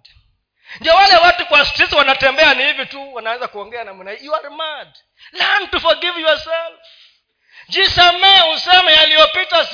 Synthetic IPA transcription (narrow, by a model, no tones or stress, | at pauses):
ndiɔwalɛwatukwastisiwanatɛmbɛanihivituwanawɛzakuɔŋɡɛanam̩naijuaɾmad | lantufaɡivijuwasam | d͡ʒisamɛusɛmɛjalijɔpitas